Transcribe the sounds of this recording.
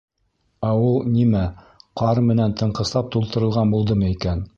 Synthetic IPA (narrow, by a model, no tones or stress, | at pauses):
æulˠnimæ | qɑɾmɘ̆nænt̪ʰɤ̆ɴqɤ̆slˠɑp̚t̪ulˠt̪ɤ̆ɾɤ̆lˠʁɑnbulˠd̪ɤmɤikæn